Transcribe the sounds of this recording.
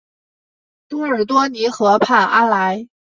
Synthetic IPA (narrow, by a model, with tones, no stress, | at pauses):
t̪u˥ə˞˨˩t̪wɔ˥ni˧˥xɤ˧˥pʰa˥˩ʔa˥nla˧˥ɪ